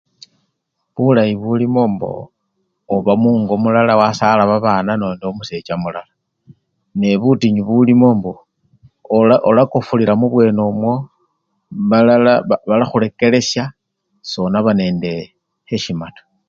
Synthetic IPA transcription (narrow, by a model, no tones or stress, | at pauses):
βulajiβulimo̞ːmbo̞̰ː | βamuːŋɡo̞mulalawasalaβaβaːnano̞ːndomuse̞t͡ʃamulala | ne̞βutiɲiβulimo̞ːmbo̞ | olakofuliɾamuβwe̞ːnomwo̞ | βalβalaxuɾe̞ke̞le̞sja | so̞naβane̞ːnde̞ | heʃimato̥